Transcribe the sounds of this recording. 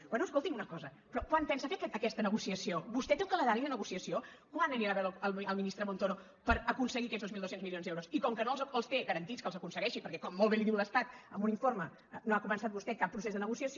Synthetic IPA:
wɛnuəskolˠt̪imunəkɔzə | pɾɔkwanpɛnsəfekɛəkɛst̪ənəɣusiəsioβust̪ɛt̪euŋkələðaɾiðənəɣusiəsio | kwanəɾiɾaβɛəlˠəlˠminist̪ɾəmont̪ono | pəɾəkunsəɣiəkɛzðozmilˠd̪osenzmilionzd̪ɛwɾosikɔŋkənolzəlˠst̪eɣəɾənt̪iskəlˠzəkunsəɣɛʃipəɾkɛkɔmːolˠβeliðiwləst̪at̪əmbuniɱfoɾmə | noakumənsat̪̚bust̪ɛkapːɾusezðənəɣusiəsio

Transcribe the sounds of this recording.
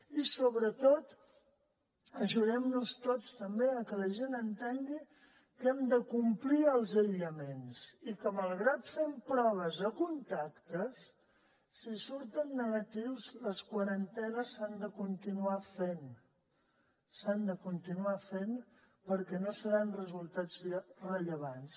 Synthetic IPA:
isoβɾət̪ot̪ | əʒuðɛmnust̪ot͡st̪əmbeəkələʒenənt̪eŋɡi | kɛmd̪əkumpliəlˠzəʎəmensikəməlˠɣɾat̪fɛmpɾɔβ̞əzəkunt̪akt̪əsː | isuɾt̪ənːəɣət̪iwzləskwəɾənt̪ɛnəsand̪əkunt̪inuafen | sand̪əkunt̪inuafen | pəɾkɛnosəɾanrəzulˠt̪ad͡zrəʎəβ̞ans

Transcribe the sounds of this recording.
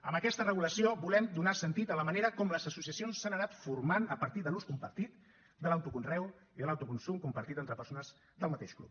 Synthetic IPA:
əmbəkɛst̪ərəɣuləsiobulɛmd̪unasənt̪it̪ələməneɾəkɔmləzəsusiəsionsːanənat̪fuɾmanəpəɾt̪iðəluskumpəɾt̪it̪ | d̪ələwt̪ukunrɛw | iðələwt̪ukunsumkumpəɾt̪it̪ent̪ɾəpəɾsonəz | d̪əlˠmət̪eʃklṵp̚

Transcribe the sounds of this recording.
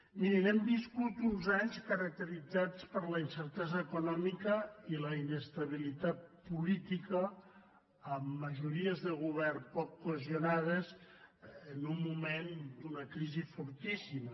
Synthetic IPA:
miɾinɛmbiskut̪unzaɲskəɾək̚t̪əɾid͡zat͡spəɾləinsəɾt̪ɛzəːkunɔmikəiləinəst̪ɐβ̞ilit̪at̪̚pulit̪ikəː | mːəʒuɾiəzðəlɣuβ̞ɛrpɔkːueziunað̞əz | ənummumend̪unəkɾizifuɾt̪isimə

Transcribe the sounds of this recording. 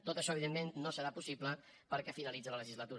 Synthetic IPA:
t̪ot̪əʃɔəβiðemːenːosəɾapusiplə | pəɾkɛfinəlid͡zələləʒizlət̪uɾ

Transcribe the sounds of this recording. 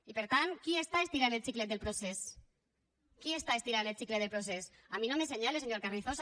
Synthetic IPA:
ipeɾt̪ankiest̪aest̪iɾanelsiklet̪̚d̪elpɾoses | kiest̪aest̪iɾanet͡ʃiklet̪elpɾos̬es | aminomeseɲaleseɲoɾkarniθos

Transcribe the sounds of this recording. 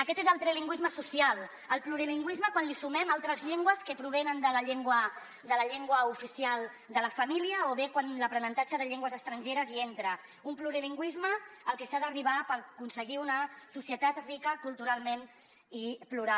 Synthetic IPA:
əkɛt̪ezəlˠt̪ɾeliŋɡwizməsusialˠ | əlˠpluɾiliŋɡwizməkwanlisumɛmalˠt̪ɾəzʎeŋɡwəskəpɾuβ̞ɛnənd̪ələʎeŋɡwə | d̪ələʎeŋɡwəufisialˠ | d̪ələfɐmiliəoβekwanləpɾənənt̪at͡ʃəðəʎeŋɡwəzəst̪ɾənʲʒeɾəzient̪ɾə | umpluɾiliŋɡwizməːlˠkesaðəriβ̞apəɾkunsəɣiunəsusiət̪at̪rikəkulˠt̪uɾalˠmen | ipluɾa

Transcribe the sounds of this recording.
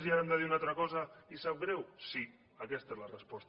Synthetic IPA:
zjaand̪aðiunalˠt̪ɾakɔzaisab̚ɡɾɛwsi | akɛst̪aezlarəspɔst̪

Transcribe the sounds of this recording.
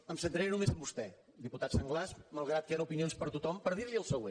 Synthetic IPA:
əmsənt̪ɾeɾnumezəmbust̪ɛ | d̪iput̪at̪saŋɡlazmalˠɣɾat̪̚kaɾəupinionspəɾt̪ut̪ɔmpəɾðiɾlʎiəlˠsəɣwe

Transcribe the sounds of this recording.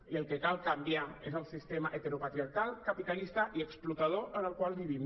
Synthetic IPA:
iəlˠkəkalkambjaezəlˠsist̪emaʔet̪əɾupat̪ɾiaɾkalˠkapit̪alist̪əʔiəksplut̪að̞oʔənəlˠkwalˠβiβ̞im

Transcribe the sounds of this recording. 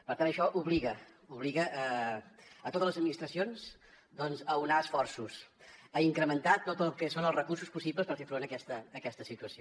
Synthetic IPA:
pəɾt̪anəʃɔʔuβliɣə | uβliɣəʔː | ət̪ot̪ələzəd̪minist̪ɾəsionz | d̪ɔnzəunaəsfɔrsus | əiŋkɾəmənt̪at̪ːot̪əlˠkɛsonəlˠzrəkursuspusibləspəɾfefɾonəkɛst̪əːkɛst̪əsit̪uəsio

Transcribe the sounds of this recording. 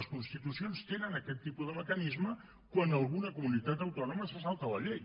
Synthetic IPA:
skunst̪it̪usionst̪enənəkɛt̪ːipuðəməkənizmə | kwanəlˠɣunəkumunit̪at̪əwt̪ɔnuməsəsalˠt̪ələʎej

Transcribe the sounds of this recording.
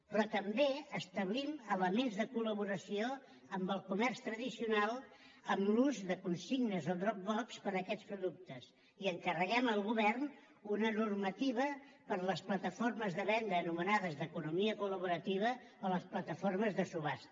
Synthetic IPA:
pɾɔt̪əmbeəst̪əβlimələmenzðəkuləβuɾəsio | əmbəlˠkumɛrst̪ɾəðisiunalˠ | əmluzðəkunsiɣnəzod̪ɾɔk̚bɔkspəɾəkɛt͡spɾuðuk̚t̪əs | iəŋkərəɣɛməlˠɣuβɛrn | unənurmət̪iβ̞ə | pəɾləsplət̪əforməzðəβɛnd̪əːnumənaðəzðəkunumiəkuləβuɾət̪iβ̞ə | oləsplət̪əforməzðəsuβas

